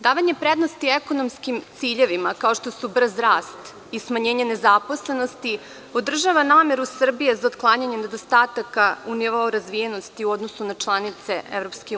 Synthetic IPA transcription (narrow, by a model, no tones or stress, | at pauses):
d̪aːʋaɲe̞pɾe̞d̪no̞st̪ieko̞no̞mskimt̪siːʎe̞ʋimakao̞ʃt̪o̞subr̩zɾaːst̪ | ismaɲe̞ːɲane̞zapo̞sle̞no̞st̪i | o̞d̪r̩ʒaʋanaːme̞ɾusr̩bijezaod̪klˠaːɲaɲene̞d̪o̞st̪aːt̪akauniʋaoɾazʋijeno̞st̪iuo̞d̪no̞sunat͡ʃlˠanit̪se̞ḛvɾo̞pske